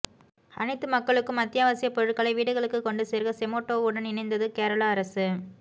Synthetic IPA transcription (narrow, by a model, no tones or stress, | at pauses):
ɐ̰nɪt̪ːɯmɐkːɐɭɯkːɯmɐt̪ːɪjaːʋɐsɪjɐpɔɻɯʈ̚kːɐɭɐɪʋiːɽɯɣɐɭɯkːɯkːɔɳɖɯseːɾɣɐsɛmoːʈːoːɯɽɐnɪnɐɪnd̪ɐðɯkeːɾɐɭaːɐɾɐsɯ